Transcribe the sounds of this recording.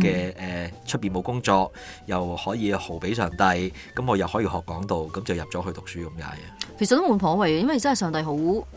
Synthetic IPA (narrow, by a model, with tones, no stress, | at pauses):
kɛː˧ɛː˨t͡ʃʰɵ˥t̚piː˨˩nmo˨˧wkʊ˥ŋt͡sɔː˧k̚jɐ˨whɔː˨˥jiː˨˧ho˨˩wpe˨˥js̬œː˨˩ŋt̪ɐ˧j | kɐ˨˥mŋɔː˨˧jɐ˨˩whɔː˨˥jiː˧hɔː˨kːɔː˨˥ŋt̪o˨wkɐ˨˥mt͡sɐ˨wjɐ˨p̚t͡sɔː˨˥ɦɵ˧t̪ʊ˨k̚syː˨˥kɐ˨˧mka̰ː˨˥jkʰe˨˩sɐt̪o˥moː˨˧˥npfʰɔː˨˥wɐ˨jɛ˦jɐ˥nwɐ˨˩jt͡sɐ˥nhɐ˨˩sœː˨ŋt̪ɐ˧jɦo˨˥w